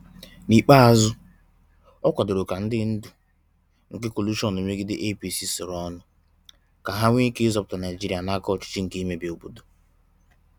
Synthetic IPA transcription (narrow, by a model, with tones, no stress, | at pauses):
ni˨k͡pa˦a˨zʊ˦ | ɔ˦kʷɔ˨do˨ɾo˨ka˨n̩˦dɪ˦n̩˦du˨ | ŋ̩˨ke˦ko˨lu˦ʃɔ˦n˨e˨me˦ɡi˦dɪ˦ʔe˦pi˦si˦sʊ˨ɾɔ˦nʊ˨ | ka˨ɦa˦ŋʷ˦e˦ke˦zɔ˦pʊ̥˨˦ta˨na˨d͡ʒi˦ɾi˨a˨na˦kɔ˦˨t͡ʃɪ̥˦t͡ʃi˦ŋ̩˨ke˦i˦me˦be˨o˨bo˨do˨